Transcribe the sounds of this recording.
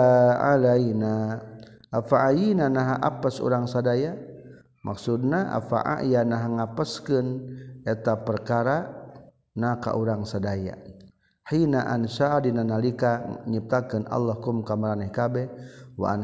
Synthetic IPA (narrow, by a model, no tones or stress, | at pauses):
alajna | ʔafaʔajinanaɦaʔapasṵɾaŋsadaja | mʔaksudnaʔa̰fa̰ʔa̰janaɦaŋapaskɨnɛt̪apərkaɾa | naka̰ʔuɾaŋsadaja̰ | ħinaʔansadinanalikaɲip̚t̪akɨna̰lːahkumkamaɾanɛhkabɛwa̰ʔan